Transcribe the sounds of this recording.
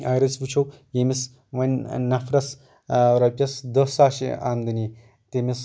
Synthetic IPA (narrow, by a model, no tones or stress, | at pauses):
ajɾɐt͡sʋut͡ʃʰɐw | jemis | ʋɐnʲnɐfɾɐs | ɾɐpʲjɐsd̪ɐsaːʃḭaːmd̪ɐni | t̪emis